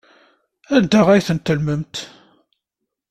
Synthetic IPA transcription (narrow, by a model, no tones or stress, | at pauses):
ænd̪æʁæjθənt̪ːəlməmt̪